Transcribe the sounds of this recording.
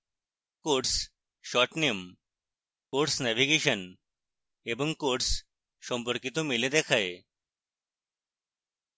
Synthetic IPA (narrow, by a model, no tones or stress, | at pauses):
koʈs | ʃɔʈnem | koʈsnɛʋiɡeɕən | ebəŋɡkoʈs | səmpəɾkit̪omiled̪ɛkʰae